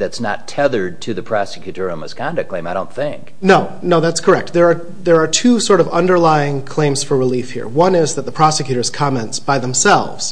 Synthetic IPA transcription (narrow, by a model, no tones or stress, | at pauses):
ðɨtsnə̰tʰɛðə˞d̚tʰɨðɨpʰɹ̥ɑsɨ̥kʰjʉɾɔɹə̃məskʰɑ̃ndɨkʰlẽɪ̃maɪɾõʊ̃nθɪ̃ŋk | noʊ | noʊðætskʰə˞ɛk̚t̪̚ðə˞ː | ðə˞ːtʰusɔɹɾʌvʌ̰̃ndə˞laɪɪ̃ŋkʰl̥ẽɪ̃mz̥fə˞ɹəlifhḭɹwʌ̃nɪzðɨt̪̚ðəpʰɹ̥ɑsɨkjʉɾə˞z̥kʰɑmɛ̃ntsb̥aɪðɛ̃m̩sɛ̰lˠvz̥